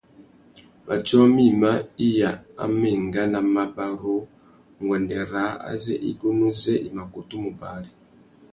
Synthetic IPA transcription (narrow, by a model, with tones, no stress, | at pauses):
mʔa˨t͡ʃɔ˦mi˦ma˦i˦ja˨a̰˦mɛ˨ŋɡa˦na˨ma˦ba˦ɾo˦ | ŋɡwɛ˨ndɛ˨ɾa˨˦a̰˦zɛ˦ʔḭ˦ɡo˦nu˦zɛ˦ʔi˨ma˨ko˨tu˦mu˨ba˨˦ɾi˨